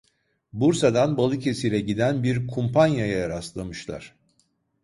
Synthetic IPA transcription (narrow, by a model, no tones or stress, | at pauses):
buɾsad̪anbalˠɯcʰe̞silʲɛɟid̪ænbiɾkʰumpʰanjajajaɾaslˠamɯʃlˠa̰ɾ̥